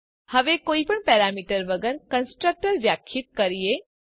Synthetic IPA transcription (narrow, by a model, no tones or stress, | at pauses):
həʋekoːipəɳpɛːɾamiːʈəɾʋəɡəɾkə̃nsʈɾək̚ʈəɾʋjakʰjit̪̚kəɾije